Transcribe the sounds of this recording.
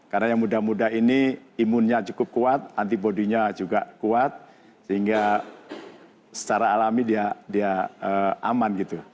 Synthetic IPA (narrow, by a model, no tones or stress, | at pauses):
karnajaŋmudahmudaɦiniimʊnɲat͡ʃukʊp̚kuat̪̚nant̪ipoduɲad͡ʒuɡakuat̪̚ | səɦiŋɡa | sə̥t͡ʃaɾaːlamidiadiaəʔa̰manɡit̪u